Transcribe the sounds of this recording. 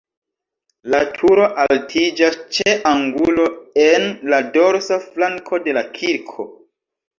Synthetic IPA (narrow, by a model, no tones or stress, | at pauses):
latʰuɾo̞ʔaltʰid͡ʒast͡ʃeʔaŋɡulo̞enlado̞ɾsaflaŋkʰo̞de̞lakʰiɾkʰo̞